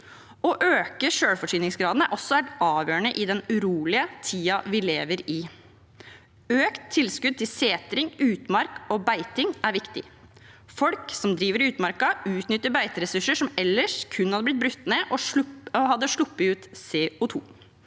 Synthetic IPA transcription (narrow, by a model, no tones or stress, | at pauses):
ɔʔøːkəʂøːɽfɔʂyːnɪŋsɡɾɑːd̪nəʔɔsːɔʋæʈɑːʋjøːəɳəʔɪd̪ɛnʉɾuːlɪət̪ʰiːɑʋɪleːʋəɾɪ | øːkt̪ʰːɪlskʉd̪̚t̪ɪlseːt̪ɾɪŋʉːt̪mɑɾkɔbæɪt̪ɪŋæɾʋɪkt̪ɪ̰ | fɔlksɔmd̪ɾiːʋəɾʉːt̪mɑɾkɑʉːt̪nʏt̪ːəbæɪt̪əɾɛsʉʂːəʂɔmɛlːəʂkʰʉnːhɑd̪əblɪt̪̚bɾʉt̪ːneʔɔhɑd̪ːəʂɭʊpːəʉːt̪seːʊt̪ʰṵː